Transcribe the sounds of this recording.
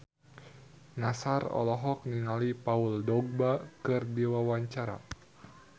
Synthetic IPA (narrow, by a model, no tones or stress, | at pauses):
nasarɔ̰lɔɦɔk̚niŋalipauldɔɡ̚bakɨrdiwawaɲt͡ʃaɾa̰